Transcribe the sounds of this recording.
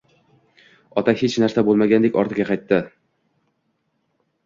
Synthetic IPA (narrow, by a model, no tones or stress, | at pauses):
ɒt̪ʰahet͡ʃnaɾsabolˠmaɡʲand̪ekʲɒɾt̪ʰɪɡʲaqʰɑjt̪ːɪ